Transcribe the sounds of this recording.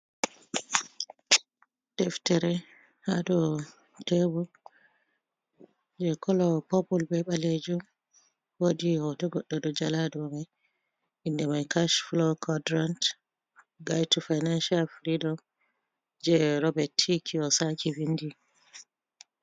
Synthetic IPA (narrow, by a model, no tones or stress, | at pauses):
d̥ɛftɛɾɛ | hadɔ | tɛbu | d͡ʒɛkʰɔlɔpɔpulbɛɓaled͡ʒum | wodihɔtɔɡɔɗːɔdɔd͡ʒaladɔmaj | ʔindɛmajkaʃflɔkʰɔdɾant | ɡajtufajnanʃalfɾidɔm | d͡ʒɛɾɔbɛtʰːikʰiɔsakivindi